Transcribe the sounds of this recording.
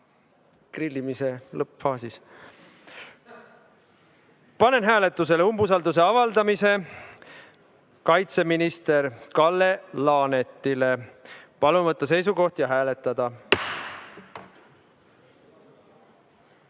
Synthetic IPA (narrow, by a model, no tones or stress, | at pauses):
krilʲːimiselɤpfɑːsis | pɑne̞nɦæːle̞t̪ˑːus̬e̞leumbus̬ɑld̪use̞ɑvɑld̪ɑmise̞ | kɑjt̪se̞minist̪e̞ɾkɑlːe̞lɑːne̞t̪ːˑile̞pɑlunvɤt̪ːˑɑs̬e̞jsuko̞ht̪jɑɦæːle̞t̪ːˑɑd̪̥ɑ